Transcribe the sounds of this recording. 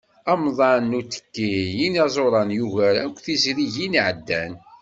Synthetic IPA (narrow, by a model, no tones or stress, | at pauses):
ɑmðˤɑnːut̪ə̥kːijinɑzˤoɾˤɑnjuʝæɾakʷːθizɾiʝinʕəd̪ːæn